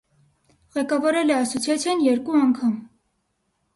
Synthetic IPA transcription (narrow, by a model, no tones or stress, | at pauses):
ʁɛkɑvɑɾɛlɛɑsut͡sʰjɛt͡sʰɛnjɛɾkuɑŋkʰɑm